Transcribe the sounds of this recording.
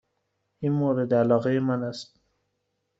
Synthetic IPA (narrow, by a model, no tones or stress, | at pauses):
inmoɾɪd̪alɑɣejemanast̪̚